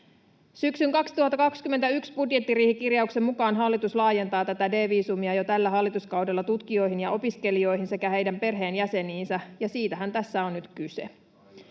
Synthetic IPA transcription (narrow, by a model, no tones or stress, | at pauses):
syksyŋkɑkst̪uhɑt̪ːɑkɑkskymːet̪æyksbudje̞t̪ːiriːhikirjɑukse̞mːukɑːnɦɑlːit̪uslɑːje̞nt̪ɑːt̪æt̪æde̞ːʋiːsumiɑjo̞t̪ælːæɦɑlːit̪uskɑwdelːɑt̪ut̪kio̞jɦinjɑʔo̞piske̞lio̞jɦinse̞kæhe̞jdæmpe̞rɦe̞ːnjæse̞niːnsæjɑsiːt̪æɦænt̪æsːæonnyt̪kysḛ